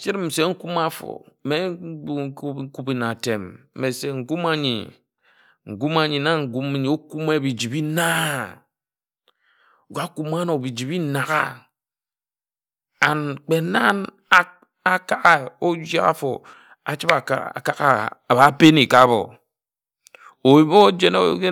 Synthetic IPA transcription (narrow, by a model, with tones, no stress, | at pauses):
t͡ʃi˦ɾm̩˨se˨ŋ̩˦ku˦ma˦fo̰˨me˦ɡ͡bu˦ŋ̩˦ku˦bi˨na˨te˨m̩˨me˨se˨ŋ̩˨ɡu˦ma˦ɲḭ˨ | ŋ̩˨ɡu˦ma˦ɲi˨na˦ŋ̩˨ɡu˦ma˦ɲi˨o˦ku˦me˦˨bi˨d͡ʒi˨bi˦na˦˨ | ɡa˦ku˦ma˦no˨bi˨d͡ʒi˨bi˦na˨ɣa̰˦ | a˨nk͡pe˨na˦n | a˦ | a˦ka˦ɣa˦˨o˦d͡ʒa̰˦a̰˦fo̰˨ | a˨t͡ʃi˦ba̰˨˦a̰˨ka˨ɣa̰˦˨a˨ba˨˦pe˦ni˨ka˦bo̰˨ | o˨i˦m˦o˦d͡ʒe˦no˦˨˦ke˦